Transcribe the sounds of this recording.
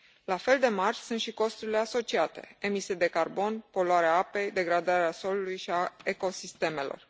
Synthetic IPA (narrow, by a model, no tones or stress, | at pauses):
lafe̞ld̪e̞marsunt̪ʃiko̞st̪uɾile̞aso̞t͡ʃiat̪e̞̰e̞mised̪e̞karbo̞npo̞loaɾeaape̞jd̪e̞ɡɾad̪aɾeaso̞lulujʃiaeko̞sist̪e̞me̞lo̞̰r